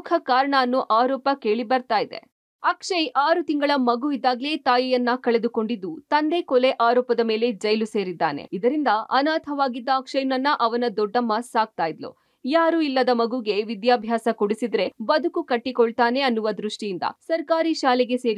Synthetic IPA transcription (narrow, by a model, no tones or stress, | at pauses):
kʰɐkaːɾɐɳɐːnːuʔaːɾɔːpɐke̞ːɭibɐɾt̪aːjid̪e̞̰ | ɐkʂɐjʔaːɾut̪iŋɡɐɭɐmɐɡuid̪ːaːɡle̞ːt̪aːjijɐnːɐkɐɭe̞d̪uko̞ɳɖid̪ːut̪ɐnd̪ekɔleʔaːɾɔːpɐd̪ɐme̞ːled͡ʒɐjluse̞ːɾid̪ːaːnḛid̪ɐɾind̪ɐɐnaːt̪ʰɐʋaːɡid̪ːɐːkʂɐjnɐnːɐʔɐʋɐnɐd̪ɔɖːɐmːɐsaːɡ̚t̪aːjid̪lṵ | jaːɾuilːɐd̪ɐmɐɡuɡe̞ʋid̪jaːbʱjaːsɐkoɽisid̪ɾe̞bɐd̪ʱukukɐʈːikɔɭt̪aːne̞ɐnːuʋɐd̪ɾuʂʈijind̪ɐ̰sɐɾkaːɾiʃaːleɡe̞se̞ːɾi